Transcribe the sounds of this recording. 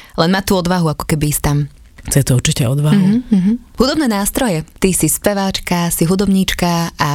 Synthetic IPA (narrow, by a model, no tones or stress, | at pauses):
lɛnmaːt̪uːɔd̪ʋaɦuakɔ̥kɛbist̪am | xt͡sɛt̪ɔuɾt͡ʃicɛɔd̪ʋaɦuɦ̩ɦud̪ɔbnɛːnaːst̪ɾɔjɛt̪isispɛʋaːt͡ʃkasiɦud̪ɔbɲiːt͡ʃkaʔa